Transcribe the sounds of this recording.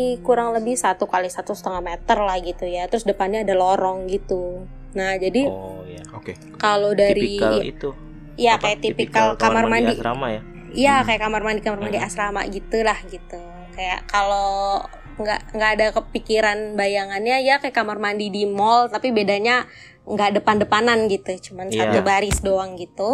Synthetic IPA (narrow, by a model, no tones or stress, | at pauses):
ikuɾaŋləbɪhsat̪ukalisat̪usə̥t̪əŋahmet̪ərlahɡit̪ujat̪əɾʊsdəpanɲaːdalɔɾɔŋɡit̪u | nahd͡ʒadi | k | kalodaɾi | ijakajaʔt̪ipikalkamarmandiamaj | jakajakamarmandikamarmandiasɾama̰ʔɡit̪ulahɡit̪u | kaja̰ʔkalo | ŋɡa̰ʔŋɡaʔːdakəpikiɾanbajaŋanɲajakajakamarmandidimɔlt̪apibedaɲa | ŋɡaʔdəpandəpananɡit̪ut͡ʃumansad̪ubaɾɪsdoaŋɡit̪u